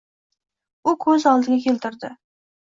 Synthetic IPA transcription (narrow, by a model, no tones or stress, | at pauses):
ʊkʰɵzɒlˠd̪ɪɡʲakʲʰelt̪ʰɪɾd̪ɪ